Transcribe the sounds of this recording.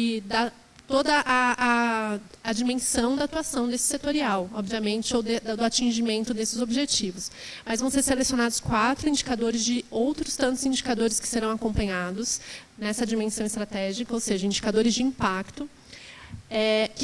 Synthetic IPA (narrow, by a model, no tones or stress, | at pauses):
ɪd̪a | t̪od̪ɐʔɐɐː | d͡ʒimẽsɐ̃w̃d̪ɐat̪uasɐ̃w̃d̪esɪ̥set̪oɾiawɔbviɐmẽnt͡ʃɪowd̪d̪d̪ʊat͡ʃĩʒimẽnt̪ʊd̪esɪzobiʒet͡ʃivʊsmɐzvɐ̃w̃seɾselesijonad̪ʊskwat̪ɾʊĩnd͡ʒikad̪oɾɪzd͡ʒɪowt̪ɾʊst̪ɐ̃nt̪ʊzĩd͡ʒikad̪oɾɪskɪ̥seɾɐ̃w̃akõpɐ̃ɲad̪ʊsnɛsɐd͡ʒimẽsɐ̃w̃ɪst̪ɾat̪ɛʒikɐowseʒɐĩd͡ʒikad̪oɾɪzd͡ʒɪĩpakt̪ʊ | ɛk